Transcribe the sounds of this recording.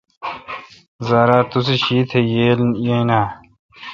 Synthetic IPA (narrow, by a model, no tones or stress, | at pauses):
zaːɾaːt̪us̬eɕiːt̪ʰejeːljenaː